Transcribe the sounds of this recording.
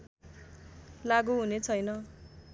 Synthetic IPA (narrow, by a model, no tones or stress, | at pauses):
laɡuɦunet͡sʰʌjnʌ